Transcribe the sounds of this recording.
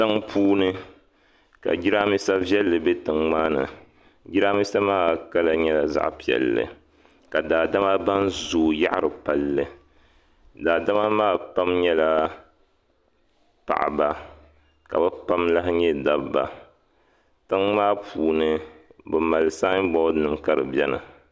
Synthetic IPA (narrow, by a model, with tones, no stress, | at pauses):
tɨ˦ŋpuː˦nɨ˦ | ka̰˨d͡ʒi˦ɾa˦mi˦sa˦vjɛ˦lːɨ˨bɛ˦tɨ˨ŋŋ͡maː˦nɨ̰˨ | ɡi˦ɾaː˦mi˦sa˦maː˦˨ka˦la˨ɲɛ˦la˨za̰˦ʔpi˨ɛ̰˨lːɨ̰˨ | ka˨daː˨da˦ma˦ba˦nzoː˨ja̰˦ʔɾɨ˨pa˨lːɨ˨ | daː˨da˦ma˦maː˦˨pa˦mɲɛ˦la˦ | pa̰˨ʔba˨ | ka̰˨bɨ˦pa˦mla˦hɲɛ˦da˦bba̰˨ | tɨ˦ŋŋ͡maː˦pʰuː˨nɨ˦bɨ˨ma˨lsa˦bɔ˦nɨ˨mka˦ɾɨ˨bjɛ˦nɨ̰˨